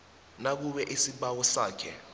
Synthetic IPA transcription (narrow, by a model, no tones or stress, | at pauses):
nak̬uɓɛʔisiɓawɔsaːkʰɛ̰